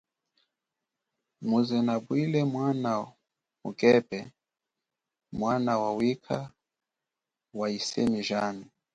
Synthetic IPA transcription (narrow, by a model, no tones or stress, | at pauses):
muzɛnabwilɛmwana | mukʼɛpɛ | mwanawawikʰa | waisɛ̰miʒani